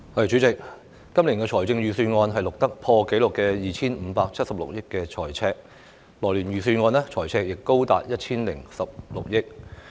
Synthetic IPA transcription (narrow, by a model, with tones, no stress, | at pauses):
hɔ˧˨t͡ʃy˨˥t͡sɪ˨k̚ː | ɐ˥mli˨˩kɛː˧t͡ʃʰɔː˨˩jt͡sɪ˧ŋɥyː˨˩syː˧nŋɔː˧nɦɐ˨jlʊ˨k̚t̪ɐ˥k̚pʰɔː˧ke˨˥jlʊ˨kːɛː˧jiː˨t͡sʰiː˥nm̩ː˨˧˦paː˧k̚t͡sʰɐ˥t̚sɐ˨p̚lʊ̰˨k̚jɪ˥kːɛː˧t͡ʃʰɔ̰ː˨˩jt͡sʰɛː˧k̚ | lɔː˨˩jliː˨˩njyː˨syː˧nŋɔː˧nlɛ˥t͡ʃʰɔː˨˩jt͡sʰɛː˧k̚jɪ˨kːo˥wt̪a̰ː˨t̚jɐ˥t̚t͡ʃʰiː˥nlɪ˨˩ŋsɐ˨p̚lʊ̰˨k̚jɪ˥k̚